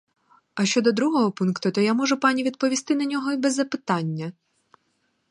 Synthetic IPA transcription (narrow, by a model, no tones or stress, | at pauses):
ɐʃt͡ʃɔd̪ɔd̪ɾuɦɔɦɔpunkt̪ʊt̪ɔjamɔʒʊpɑnʲiʋʲid̪pɔʋʲist̪ɪnɐnʲɔɦɔibɛzːɐpɪt̪ɑnʲːɐ